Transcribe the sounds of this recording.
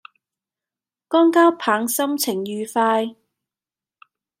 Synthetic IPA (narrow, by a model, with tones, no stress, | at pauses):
kɔː˥ŋkaː˥wpʰaː˨˥ŋsɐ˥mt͡sʰɪ˨˩ŋjyː˨˧faː˧j